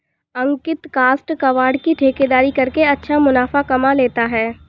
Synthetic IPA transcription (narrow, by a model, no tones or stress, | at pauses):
ɐ̃ŋkɪt̪kaːsʈkɐʋaːɾɖkiʈʰeːked̪aːɾikɐɾkeɐtːʃʰamʊnaːfakɐmaleːt̪aɦɛː